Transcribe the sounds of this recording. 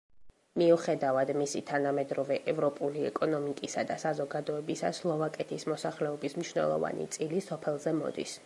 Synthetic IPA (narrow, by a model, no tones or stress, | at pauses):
miuχɛd̪avad̪misit̪ʰanamɛd̪ɾɔvɛʔɛvɾɔpʼuliɛ̰kʼɔnɔmikʼisad̪asazɔɡad̪ɔɛbisa̰slˠɔvakʼɛt̪ʰismɔsaχlɛɔbismniʃnɛ̰lˠɔ̰va̰nḭt̪sʼilisɔpʰɛlˠzɛmɔ̰d̪ḭs